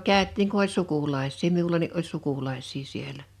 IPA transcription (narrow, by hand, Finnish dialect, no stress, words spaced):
kæˑøtˑiːŋ ku olʲ sukulɑisˑiː miulɑni ʔolʲ sukulɑisˑiː sielæ